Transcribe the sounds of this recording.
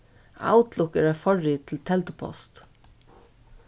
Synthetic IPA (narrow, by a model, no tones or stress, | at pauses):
a̰ʊt̪lʊkɛɹaɪfɔɹiːt̪ʰɪlt̪ʰɛlt̪ʊpʰɔ̰st̪